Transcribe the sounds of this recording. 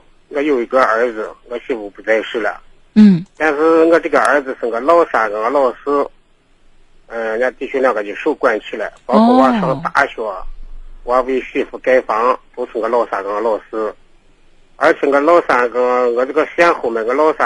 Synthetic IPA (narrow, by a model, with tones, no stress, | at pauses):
ɡə˥˧jo˨˩ʊi˧˥ɡə˧ə˞˧˥d͡zɹ̩˧˥ɡə˧ɕi˥˩fu˧˩pu˧˩t͡sa˥˧ɪʂɻ̩˥˩lə̰˨˩˥ | t̪a˥˧nʂɻ̩˥˧˥ɡə˧ʈ͡ʂɤ˥˩ɡə˩ə˞˧˥d͡zɹ̩˧ʂə˧˩ŋ˧ɡə˧lo˥˩ʊsa˨˩kɑ˧˩ŋɡə˧lo˥˩sɹ̩˥ | ə˧˩˧na˥˧t̪i˥˩ɕʰy˥ljɑ˥˩ŋka˧˩i˧˩ʂu˥˧kwa˥˩nt͡ɕʰi˥˩la˨˧˩ɪpɑ˥kʰwɔ˥˧wɑ˧˥ʂɑ˧˥ŋt̪a˧˥ɕwɔ˧˩˦wa˧˥pi˧ɕi˥˩fu˧˥ka˥ɪfɑ˧˥ŋt̪u˧˥ʈ͡ʂʰə˧˩ŋɡə˧˦lo˥˧ʊsa˨˧˩kɑ˧˩ŋɡlwɔ˥˩sɹ̩˥ | ə̰˞˧˥t͡ɕʰŋ˧ɡə˧lo˥˧ʊsa˨˩˧kɑ˧˥ŋ˧ɡə˧ʈ͡ʂɤ˥˩ɡə˧sja˥nxo˧˩˥me˨˩˧ɡə˧lo˥˧ʊsa˧